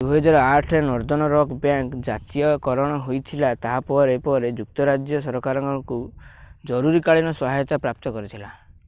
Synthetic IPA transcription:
d̪uɦɔd͡ʒaɾɔaʈʰenɔɾd̪ɔnɔɾɔkbjaŋkd͡ʒat̪ijɔkɔɾɔɽ̃ɔɦojt̪ʰilat̪aɦapɔɾepɔɾed͡ʒuk̚t̪ɔɾad͡ʒjɔsɔɾɔkaɾɔŋkɔkud͡ʒɔɾuɾikaɭinɔsɔɦajɔt̪apɾap̚t̪ɔkɔɾit̪ʰila

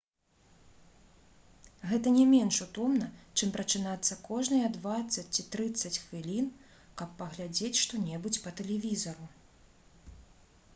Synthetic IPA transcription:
ɣɛt̪ɐnʲɛmʲɛnʂut̪ɔmnɐt͡ʂɨmpɾɐt͡ʂɨnat̪sːɐkɔʐnɨjɐd̪vat̪sːɐt͡sʲt͡sʲit̪ɾɨt̪sːɐt͡sʲxvʲilʲin | kɐpːɐɣlʲad͡zʲet͡sʲʂt̪ɔnʲɛbut͡sʲpɐt̪ɛlʲɛvʲizɐɾu

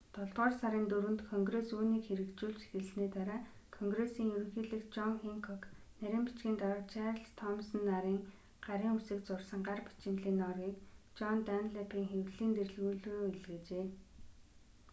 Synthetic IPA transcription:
t̪ʰɔɮt̪ʁɔːrsaɾiːnt̪uɾɘ̆nt̪kʰɔŋɡresuːniːkxeɾɘ̆kt͡ɕuːɮt͡ɕʃe̥xɘ̆ɮsniːt̪aɾaː | kʰɔŋɡresiːŋjɵɾɵ̆ŋxiːɮɘ̆xt͡ɕɔŋiŋkʰɔk | næɾʲɪ̆ːmpi̥t͡ɕɡʲiːnt̪aɾt͡ɕʰarɮt̪ʰɔmsə̆nːaɾiːŋ | ɢ̥aɾiːŋusɘ̆k̚t͡sʊrsə̆ŋɢarpi̥t͡ɕɪ̆nt̪ɮiːnɔrɣiːkt͡ɕɔnt̪anɮapʰiːŋxewɮiːnt̪er̆ɮɣuːɮoːiɮɡĕt͡ɕeː

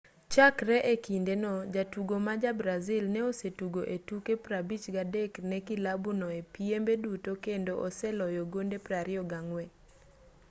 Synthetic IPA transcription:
t͡ʃakɾɛʔekindenɔd͡ʒatuɡomad͡ʒabɾazilnɛosetuɡoʔetukepɾabit͡ʃɡadɛknɛkilabunɔepiembedutokendoʔɔsɛlɔjɔɡondepɾaɾɪɔɡaŋwɛ

